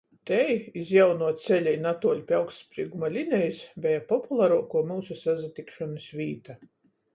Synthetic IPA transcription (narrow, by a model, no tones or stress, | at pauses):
t̪ɛjizjawnuɔt̪sʲɛlʲɛjnat̪uɔlʲpʲjalksspɾiːɡumalʲinʲɛjisbʲɛjapɔpulˠaɾuɔkuɔmilsusazat̪ikʃɔnɨsvʲiːt̪a